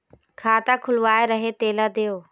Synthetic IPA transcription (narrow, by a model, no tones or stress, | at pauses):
kʰaːt̪akʰʊlʋaːeɾɐɦet̪eːlad̪eːjoː